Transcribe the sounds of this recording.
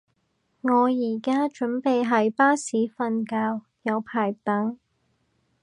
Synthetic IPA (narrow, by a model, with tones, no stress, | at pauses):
ŋɔː˨˧jiː˨˩kaː˥t͡ʃɵ˨˥npe˨jɦɐ˨jpaː˥siː˨˥fɐ˧nkaː˧w | jɐ˨˧wpʰaː˨˩jt̪ɐ˨˥ŋ